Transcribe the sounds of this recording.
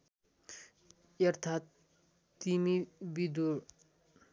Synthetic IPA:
jɐɾt̪ʰaːt̪ː | imibid̪u

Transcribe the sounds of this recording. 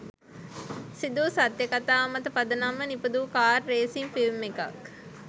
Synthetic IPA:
sid̪usat̪jəkat̪aːmət̪əpad̪ənamːənipəd̪ukaːrːeːsiŋfilmːeka̰k

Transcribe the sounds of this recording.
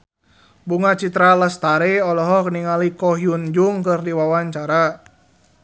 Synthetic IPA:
buŋat͡ʃit̪ɾalast̪aɾeɔlɔɦɔk̚niŋalikɔɦjund͡ʒuŋkɨrdiwawaɲt͡ʃaɾa

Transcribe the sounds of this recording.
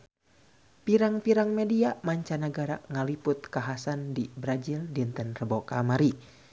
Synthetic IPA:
piɾaŋpiɾaŋmɛdiamaɲt͡ʃanaɡaɾa̰ŋalipʊt̪̚kaɦasandibɾad͡ʒildint̪ənrəbɔkamaɾi

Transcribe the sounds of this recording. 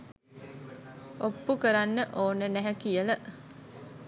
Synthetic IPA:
opːukəɾanːəʔoːnːənæɦækijələ

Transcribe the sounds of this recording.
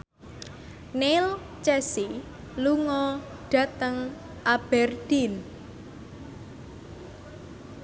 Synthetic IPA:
nel | t͡ʃɛsi | luŋɔ | ɖ̥a̤t̪əŋ | ʔab̥ɛrd̪̥in

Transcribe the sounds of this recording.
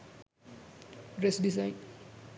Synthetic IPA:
ɾesɖisaɪn

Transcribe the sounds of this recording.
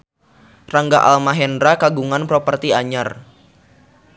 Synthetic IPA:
raŋɡaʔa̰lmaɦɛndɾakaɡuŋanpɾɔpərt̪iaɲar

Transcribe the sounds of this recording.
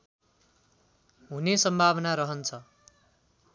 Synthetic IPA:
ɦunesʌmbʱaβʌnaɾʌɦʌnt͡sʰʌ

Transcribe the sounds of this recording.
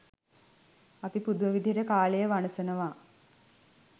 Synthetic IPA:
apipud̪uʋəʋid̪ʱiɦeɾəkaːlejəʋanəsənəʋaː

